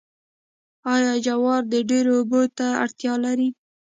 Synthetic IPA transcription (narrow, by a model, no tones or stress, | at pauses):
ɑjɑd͡ʒawɑɾd̪əɖeɾoːbot̪aa̰ɽt̪jɑlaɾi